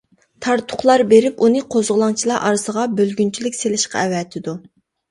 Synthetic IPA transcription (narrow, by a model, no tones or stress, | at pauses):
t̪ʰɑɾt̪ʰʊ̥χlˠɑɾbeɾɪpunɨqʰozʁʊlˠɑŋt͡ʃʰilˠɑʔɑ̰ɾɨsəʁɑbølɡʲynt͡ʃʰilɪkʲselɪʃqɑ̰ɛwɛt̪ʰɪd̪u